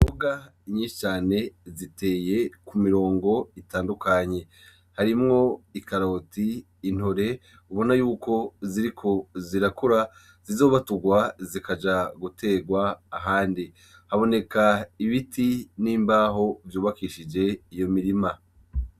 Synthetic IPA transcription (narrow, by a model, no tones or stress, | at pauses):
oɡa | ɲiːʃi̥t͡ʃaːne̞zitʰe̞ːje̞kumiɾo̞ːŋɡo̞itaːndukʰaɲe̞ | haɾimŋo̞ikaɾo̞tiː | n̥hoɾe̞ | uβo̞najuːko̞ziɾikʰo̞ziɾakuɾa | z̥izo̞ːβatuɡwazikad͡ʒaɡutʰe̞ːɡwaːɦaːndi | haβo̞ne̞kaiβitʰiniːmbaːɦo̞vjuːβakiʃid͡ʒe̞ijo̞miɾima